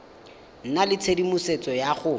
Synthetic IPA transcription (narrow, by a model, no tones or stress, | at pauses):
n̩nalɪt͡sʰedimuset͡sʼɔjaχʊ